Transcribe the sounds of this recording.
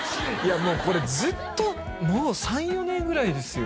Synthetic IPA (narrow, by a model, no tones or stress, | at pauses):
jamo̞ːko̞ɾe̞d͡zɨt̪ːo̞ | moːsãɰ̃jo̞nẽ̞ŋɡɯ̟ɾaid̪e̞sɨjo̞